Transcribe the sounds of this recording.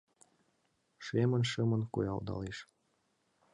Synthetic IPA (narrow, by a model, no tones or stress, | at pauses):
ʃemənʃɤmə̆nkṵjɑld̪ɑ̰leʃ